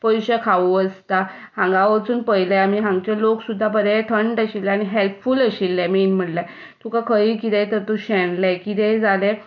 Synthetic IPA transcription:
pəjɕəkʰaʋuəst̪a | hãŋɡaʋət͡suːnpəjlaamiɦãŋɡt͡ɕaloksud̪ʱːapəɾɛt̪ʰəɳɖəɕilːɛañiɦelpfuləɕilːemiːnm̤əɽla | t̪ʰukakʰəiːkit̪ẽt̪əɾt̪uɕɛnlɛkit̪ɛd͡zale

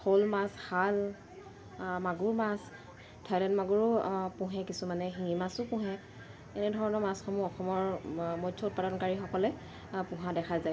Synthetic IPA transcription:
xʰolmasxal | maɡuɹmas | tʰalɛnmaɡuɹʊpʊ̃ɦɛkisumanɛɦimasʊpʊ̃ɦɛ | ɛnɛdʱɔɹɔnɔmasxɔmuɔxɔmɔɹmɔtʰɔʊt̚paɾɔnkaɹixɔkɔlɛ | pʊ̃ɦãdɛkʰazaj

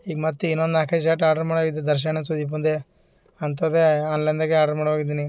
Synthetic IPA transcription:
iːɡɐmɐt̪ːuinːond̪aːkʰɐʃ̬aːʈaːɖɐɾmaːɽʋaːɡid̪ːed̪ɐɾʃ̬ɐnɐsud̪iːp̬und̪e | ɐnt̪̬ɐd̪eanlɐnd̪aɡeaːɖɐɾmaːɽʋaːɡid̪iːni

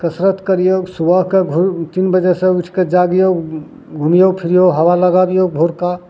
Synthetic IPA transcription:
kəsɾət̪kəɾijosubəɦkeɡʱut̪inbəd͡ʒesẽuʈʰked͡ʒaɡjo | ɡʱumijopʰiɾijoɦəwaləɡabijobʱoɾka

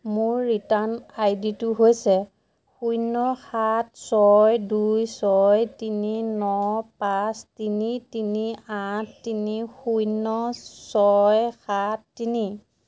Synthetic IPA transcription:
mʊɹːitanajditʊɦojsɛ | xujnɔxatsɔjdujsɔjtininɔpastinitiniatːinixujnɔsɔjxatːini

